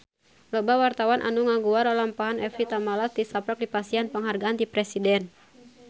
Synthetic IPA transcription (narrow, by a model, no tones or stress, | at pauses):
lɔbawart̪awanʔa̰nuŋaŋɡuaɾalampaɦanʔɛfit̪amalat̪isapɾak̚dipasianpəŋɦarɡaandipɾɛsidɛn